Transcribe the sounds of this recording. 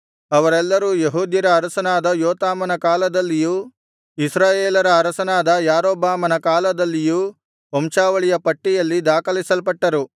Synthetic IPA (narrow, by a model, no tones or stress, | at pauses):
ɐʋɐɾɛlːɐɾuːjeɦuːd̪jɐɾɐːɾɐsɐnaːd̪ɐjoːt̪aːmɐnɐkaːlɐd̪ɐlːijuː | isɾaːjeːlɐɾɐːɾɐsɐnaːd̪ɐjaːɾoːbaːmɐnɐkaːlɐd̪ɐlːijuː | omʃaːʋɐɭijɐpɐʈːijɐlːid̪aːkɐlisɐlpɐʈːɐɾu